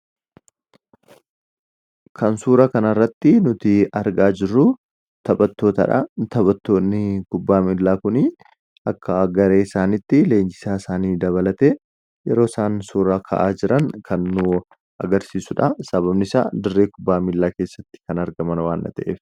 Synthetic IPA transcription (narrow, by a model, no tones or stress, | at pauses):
kʰɐnsuːɾɐkɐnɐrːɐt̪ːɪnʊt̪ɪɐɾɡaːd͡ʒɪrːʊ | t̪ɐbɐt̪ːo̞ːt̪ɐ̰ᶑɐ̰t̪ɐbɐt̪ːo̞ːnːɪkʊbːaːmɪlːaːkʊnɪ | ɐkʰːɐɡɐɾe̞ːɪsaːnɪt̪ːɪle̞ːnd͡ʒɪ̥saːɪsaːniːd̪ɐβɐlɐt̪eː | jɛɾo̞ːsaːnsuːɾakʰɐ̰ʔaːd͡ʒɪɾɐŋkʰɐnːʊ | ʔɐ̰ɡɐɾsiːsʊᶑɐsɐβɐbnɪsa̰ːd̪ɪrːe̞ːkʊbːaːmɪlːaːke̞ːsːɐt̪ːɪ̥kɐnɐɾɡɐmɐnwaːnʔɐ̰t̪ɐʔḛːf